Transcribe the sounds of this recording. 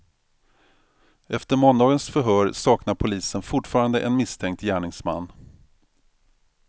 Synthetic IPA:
ɛft̪əɾmɔnd̪ɑːɡənsfœɾɦœːɾsɑːknaɾpʰʊliːsənfʊʈfɑːɾand̪ə̰ʔɛnmɪst̪ʰɛŋk̚t̪jæːɳɪŋsma̰nː

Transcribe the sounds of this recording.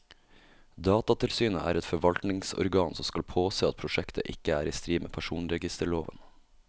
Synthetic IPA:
d̪ɑːt̪ɑt̪ʰɪlsyːnəʔæ̰ːɾɛt̪fɔɾʋɑlt̪nɪŋsɔ̰ɾɡɑːnsɔmskɑlpʰoːseːɑt̪̚pʰɾʊʃɛkt̪ʰəʔɪkəæːɾiːst̪ɾiːmḛːpʰæʃuːnɾɛɡɪst̪əɭoːʋə̰n

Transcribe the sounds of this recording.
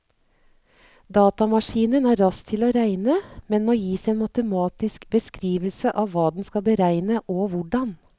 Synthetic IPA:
d̪ɑːt̪ɑmɑʂiːnənæːɾɾɑst̪ʰɪloːɾæɪnəmɛnmoːjiːsæeːnmɑt̪əmɑːt̪ɪskbəskɾiːʋəlsəʔɑːʋʋɑːd̪ɛn̩skɑbəɾæɪnəʔoːʋʊɖɑn

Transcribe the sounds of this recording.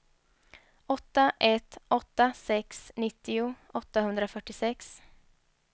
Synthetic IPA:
ɔt̪ːaʔɛt̪ɔt̪ːasɛksnɪt̪ːɪʊʔɔt̪ːahɵnd̪ɾafœʈːɪsɛks

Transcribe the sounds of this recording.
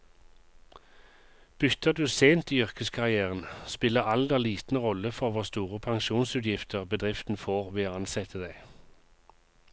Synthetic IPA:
b̥ʏt̪ʰəʁd̪ʉːseːnt̪iːʏʁkəskʰɑʁɪæːʁənspɪləʁɑld̪ɛliːt̪n̩ʁɔləfɔʁʋɔʁst̪uːʁəpʰɑŋʃuːnsʉːt̪jɪft̪ʰəʁbəd̪ʁɪft̪n̩foːʁʋeːɑnsɛt̪ʰəd̪æɪ

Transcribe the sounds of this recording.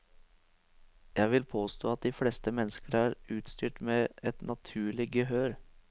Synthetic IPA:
jæɪʋɪlpʰoːst̪o̰ːɑt̪̚d̪iːfleːst̪əmɛnːəskəɾæːɾʉːt̪st̪yːʈmeːɛt̪nʔɑt̪ʰʉːɭɪɡəɦøːɾ

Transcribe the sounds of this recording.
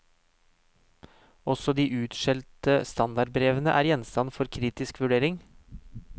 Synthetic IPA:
ɔsɔd̪iːʔʉːt̪ʃɛlt̪əst̪ɑnd̪ɑɖ̚bɾeːʋənəʔæːɾjɛnst̪ɑnfɔɾkʰɾiːt̪ɪskʋʉɖeːɾɪŋ

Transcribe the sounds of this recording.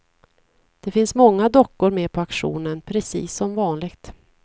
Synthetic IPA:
d̪̥ɛfɪnsmɔŋːad̪ɔkːʊɾmɛːpʰɔakɧṵːnənpʰɾɛsḭːsːɔmvɑːnlɪɡt̪

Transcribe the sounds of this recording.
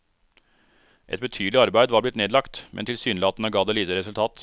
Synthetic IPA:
ʔɛ̰t̪̚bət̪ʰyːd̪lɪɑɾbæɪd̪ʋɑːɾblɪt̪neːd̪lɑkt̪mʔɛ̰nt̪ʰɪlsyːnlɑːt̪nəɡɑːd̪eːliːt̪əɾɛsʉlt̪ʰɑːt̪

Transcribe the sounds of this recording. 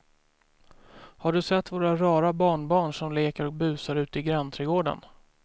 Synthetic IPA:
haɖɵsɛt̪ːvoːɾaɾɑːɾabɑːɳbɑːɳʂɔmleːkəɾɔk̚bʉ̟ːsaɾʉ̟ːt̪əɪɡɾɛnt̪ʰɾɛːɡoːɖə̰n

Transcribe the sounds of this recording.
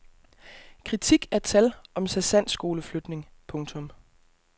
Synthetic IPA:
kʰʁit͡sʰiɡ̥æɐt͡sʰælɒ̽msæsæn̰sɡ̥o̝ːləflød̥ne̝ŋpʰɔ̽ŋt͡sʰɔ̽m

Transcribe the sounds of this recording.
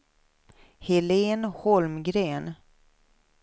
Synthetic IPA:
hɛleːnhɔlmɡɾeːn

